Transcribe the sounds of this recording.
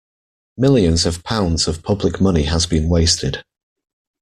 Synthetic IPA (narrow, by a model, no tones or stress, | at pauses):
mɪlˠjə̃nzəv̥pʰãʊ̃ndz̥əv̥pʰʌblɪkmʌnɪəzbĩnweɪstʰɪd̥